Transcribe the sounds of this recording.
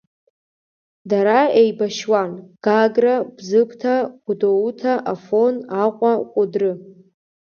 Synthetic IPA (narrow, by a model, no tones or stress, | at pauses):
daɾaejbaʃwanɡ̥aɡrabzɨpʰtʰaɡ̥ʷdowutʰaʔafo̞naqʷʼaqʷʼʊdrɨ